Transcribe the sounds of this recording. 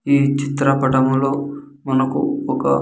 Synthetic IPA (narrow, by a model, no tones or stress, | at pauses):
iːt͡ʃit̪ɾɐpɐʈɐmlo̞ː | mɐnɐkṵɔkɐ̰